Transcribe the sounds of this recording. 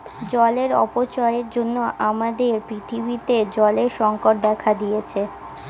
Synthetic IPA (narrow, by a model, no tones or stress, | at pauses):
d͡ʑɔleɾɔ̰pot͡ɕɔeeɾd͡ʑonːoʔamad̪eɾpɾit̪ʰibit̪ed͡ʑɔleɾʃɔŋkoʈ̚d̪ɛkʰad̪ijet͡ɕʰe